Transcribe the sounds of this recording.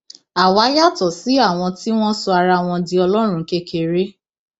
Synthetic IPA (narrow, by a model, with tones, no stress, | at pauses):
a˨wa˨˦ja˦tɔ˨si˨˦a˦˨w̃ɔ̃˧ti˦w̃ɔ̃˦sɔ˧a˧ɾa˧w̃ɔ̃˧di˦ɔ˧lɔ˦ɾ̃ũ˧˦ke˦kʰe˨ɾe˦